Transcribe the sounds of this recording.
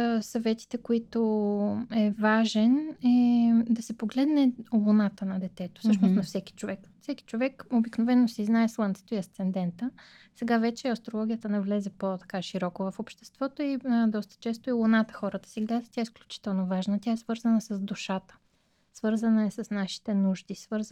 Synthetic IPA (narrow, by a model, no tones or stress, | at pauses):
sɐvɛt̪i̥t̪ɛkoit̪o | ɛvaʒɛnɛd̪ɐsɛpoɡlɛd̪nɛolˠonat̪ənɐd̪ɛt̪ɛt̪o̥sɤʃnosnɐfsɛk̟i̥t͡ʃovɛkfsɛki̥t͡ʃovɛkobiknovɛnːosiznaɛslˠənt̪sɛ̥t̪oiɐst̪sɛnd̪ɛnt̪ə | sɛɡavɛt͡ʃɛɐst̪ɾolˠɔɡʲijət̪ənɛvlɛzɛpot̪ɐ̥kaʃiɾɔkovɐfopʃt̪ɛ̥st̪vɔt̪oid̪ɔst̪ə̥t͡ʃɛst̪oilˠonat̪ə̥xɔɾət̪ə̥siɡlʲɛzɛt̪ʲjaɛsklʲut͡ʃi̥t̪ɛlˠnovaʒnət̪ʲjaɛsvɤɾzənəsəzd̪uʃat̪ə̥ | svɤɾzənəɛsɐsnaʃi̥t̪ɛnuʒd̪isvɤɾz